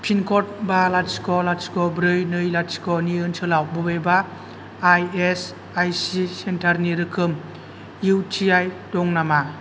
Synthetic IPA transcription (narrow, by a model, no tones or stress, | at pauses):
pʰinkʰɔt̚balatskɔlatskɔbɾɯjnɯjlatskɔniɯnsɯlawbɯbejbaː | jes | ajsisentʰaɾniɾɯkʰɯm | juwtʰiajdɔŋnama